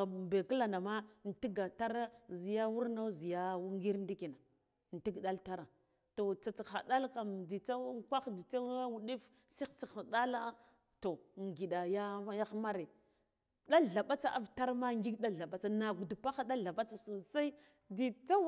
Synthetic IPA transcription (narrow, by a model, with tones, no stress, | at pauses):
be˨kə˦la˨na˨ma˦˨n˨ti˦ɡa˨ta˦ɾa˦zi˨ja˦wu˦ɾna˦zi˨ja˦wu˦ŋɡi˦ɾn˦di˦ki˨na˨ | n˨ti˦ɡɗa˦lta˦ɾa˨ | to˨t͡sa˨t͡si˨xa̰˨da˦lka˨mdi˨t͡sa˦kʷa˦xdi˨t͡sa˦a˦wu˨ɗi˦f | si˦xt͡si˨xa˨da˦la˦ | to˨ŋ˨ɡi˨ɗa˨ja˦ja˦xma˦ɾe˨ | da˦ɮa˨ɓa˦t͡sa˦˨ʔa̰˦vta˦ɾma˦ŋɡi˦ɡɗa˦ɮa˨ɓa˦t͡sa˨na˨ɡu˨du˨pa˦xa˦da˦ɮa˨ɓa˦t͡sa˨so˨sa˦i˦ | di˨t͡sa˦